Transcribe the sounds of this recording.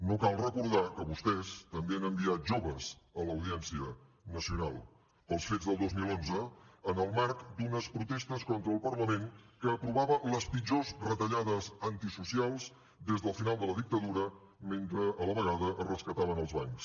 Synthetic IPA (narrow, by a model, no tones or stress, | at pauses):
nokalˠrəkuɾð̞akəβust̪ɛst̪əmbeənəmbiat̪̚ʒoβəzələwðiɛnsiənəsiunalˠ | pəlˠsfedzðəlˠd̪ozmilˠonzəənəlˠmaɾkd̪unəspɾut̪est̪əskɔnt̪ɾəːlˠpəɾləmenkəːpɾuβaβələspid͡ʒozrət̪əʎaðəzənt̪isusialˠz | d̪ezðəlˠfinalˠd̪ələðik̚t̪əðuɾə | ment̪ɾəʔələβəɣaðəʔərəskət̪aβənəlˠzβaŋks